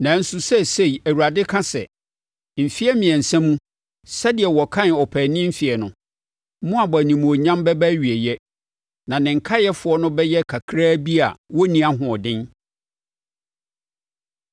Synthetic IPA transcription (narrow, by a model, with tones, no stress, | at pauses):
nã˨˦n̩˦su˨sɛ˦se˦i˨æ˨wu˨ɾa˨dɪ˦kʰã˦sɛ̰˨ | m̩˨fi˦ɛ˦mɪ̃˨ɛ˨n̩˨sɛ̃˦mũ˦ | sɛ˦dɪ˨ɛ˨wɔ˨kʰã˦n˨ɔ˨pʰæ˨nɪ̃˦m̩˦fi˨ɛ˨nʊ̰̃˨ | mũ˦a˨ba˨nĩ˨m̃˨o˨ɲã˦mbɛ˦bæ˦ɥi˨e˨jɛ˦ | nã˨nɪ̃˨ŋ̩˨kʰa˦jɛ˦fʊ˨ɔ˦nʊ̃˦bɛ˦jɛ˦kʰa˨kʰɾaː˦bi˦a̰˨wɔ˦nĩ˦a˦ɦʊ̃˨ɔ˨dɪ̃˦n